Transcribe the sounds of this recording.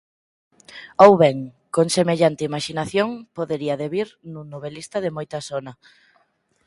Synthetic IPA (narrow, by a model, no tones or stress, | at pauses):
owβɛŋ | koŋsemeʎant̪ɪimaʃinaθjoŋpoðeɾiɐðeβiɾnũnoβelist̪ɐðemojt̪ɐsonɐ